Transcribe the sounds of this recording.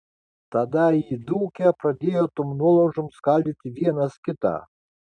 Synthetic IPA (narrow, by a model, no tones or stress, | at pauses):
t̪ɐd̪aid̪uːkʲɛpɾɐd̪ʲejɔt̪ɔmnuɔlˠɔʒɔmskalʲd̪ʲɪt̪ʲɪʋʲiɛnɐskʲɪt̪a̰